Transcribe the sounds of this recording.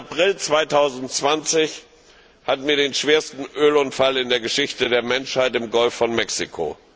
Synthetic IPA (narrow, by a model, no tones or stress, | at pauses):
apʁ̥ɪlt͡sv̥aɪtʰaʊzn̩tt͡sv̥ant͡sɪç | hatn̩viːɐdeːnʃv̥eːɐstn̩ʔøːlʊntfalɪndeːɐɡəʃɪçtədeːɐmɛnʃhaɪtɪmɡɔlfːɔnmɛksikʰo̰